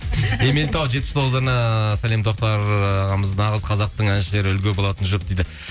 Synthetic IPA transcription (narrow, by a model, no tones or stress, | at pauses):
e̞me̞lt̪ɑwʒet̪pɪst̪ʰo̞ʁəzɑɾnɑsæle̞mt̪ʰo̞q̚t̪ɑɾməznɑʁəzqʰɑzɑq̚t̪əɴænʃɪle̞ɾɪʏlɡʲe̞bo̞lˠɑt̪ənʒop̚d̪ejd̪ɪ